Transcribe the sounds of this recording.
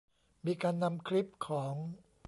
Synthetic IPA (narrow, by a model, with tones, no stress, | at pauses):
miː˧kaː˧nːa˧mkʰɾi˦˥p̚kʰɔː˩˦ŋ